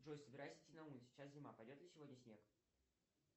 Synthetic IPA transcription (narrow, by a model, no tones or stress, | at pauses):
ʐojsəbʲɪɾajsʲɪ̥tʲinɐunʲsʲɪ̥t͡ɕːas̬zʲɪmapɐjdʲo̞t̪lʲɪsʲɪvodʲnʲəsʲnʲe̞k